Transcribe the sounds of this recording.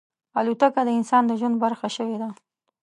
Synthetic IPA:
alut̪akad̪əɪnsɑnd̪əʒwand̪̚baɾxaʃəwed̪a

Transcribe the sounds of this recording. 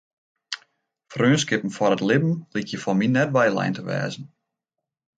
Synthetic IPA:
frøːnskɪpn̩fɔɾətlɪbm̩likʰjəfɔminɛt̚ʋajlɛ̰jntəʋɛ̰ːzn̩

